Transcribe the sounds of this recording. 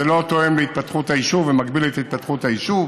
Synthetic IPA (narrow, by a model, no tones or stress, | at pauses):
elo̞t̪oemleit̪̚pat̪χuthaiʃuvemakbiletait̪̚pat̪χutaiʃuv